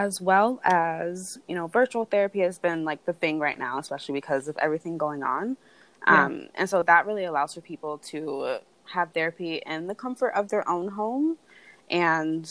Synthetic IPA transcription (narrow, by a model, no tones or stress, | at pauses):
ɨzwɛlˠɨzjɨñoʊvɜ˞t͡ʃul̩ˠθɛɹɨpiɨzbɪ̃nlaɪk̚ðɨθɪ̃ŋɹaɪʔⁿna̰ʊəspɛʃl̩ˠibɨkʰʌzʌvɛ̰vɹiθɪ̃ŋɡoʊɪ̃ŋə̰̃n | ʔʌ̃mʔɨ̰̃nsoʊðət̚ɹɪlˠiəlaʊz̥fə˞pʰipl̩ˠtʰɨ | əv̥θɛɹɨpiʔɪ̃nðɨkʰʌ̃ɱfə˞ɾʔʌvðə˞ʔõʊ̃nɦõʊ̃mʔɨ̃n